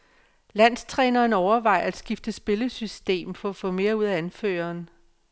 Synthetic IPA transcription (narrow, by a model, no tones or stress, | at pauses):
læn̰st͡sʰʁɛːnɐːnɒʊɐʋɑ̈ɪ̰æd̥sɡ̥ifd̥əsb̥e̝ləsysd̥e̝̰ːmfɒ̽æfɔ̽me̝ːɐuð̰ˠæænfø̰ːɐːn